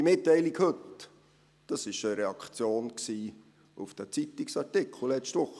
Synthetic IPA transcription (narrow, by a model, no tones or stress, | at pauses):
dimɪtːɛɪlikhɵt | d̥ɑsɪʃəɾɛɑkχt͡sjoːnksiː | ʔufd̥æt͡sit̪iksɑɹtɪkʰl̩lɛt͡ʃtʋʊχə